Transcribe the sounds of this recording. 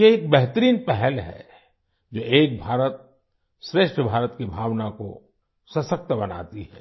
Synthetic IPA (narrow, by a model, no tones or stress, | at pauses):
jeeːk̚bɛɦt̪əɾiːnpɛɦɛlɦɛ̰ | d͡ʒoːʔeːk̚bʱaːɾət̪̚ | sɾeːʃʈʰəbʱaːɾət̪kibʱaːʋnako̰ | sɐsək̚t̪bɐna̰ːt̪iɦɛː